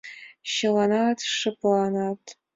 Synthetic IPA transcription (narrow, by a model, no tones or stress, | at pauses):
ʃɪlanatʰʂɨpʼlanaːtʰ